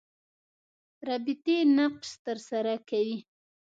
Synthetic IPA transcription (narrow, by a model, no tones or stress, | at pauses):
ɾɑbɪt̪enaqʃt̪əɾsaɾakawi